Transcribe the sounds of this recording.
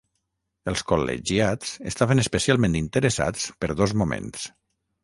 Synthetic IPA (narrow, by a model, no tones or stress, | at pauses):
əlˠskolḛʒiat͡səst̪aβənəspəsialˠmẽnt̪int̪əɾəsa̰t͡spəɾðozmumḛ̃ns